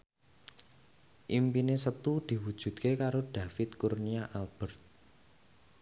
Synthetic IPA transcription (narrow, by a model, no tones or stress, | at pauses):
ʔimpinesət̪ud̪̥i̤wud̥ʒ̥ṳt̪̚kekaɾod̪̥ä̤fɪt̪̚kurniaʔalb̥ərt̪̚